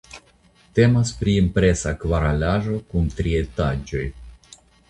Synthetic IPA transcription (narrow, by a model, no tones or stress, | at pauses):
t̪e̞maspɾiimpɾe̞sakvaɾalaʒo̞kunt̪ɾie̞tad͡ʒo̞j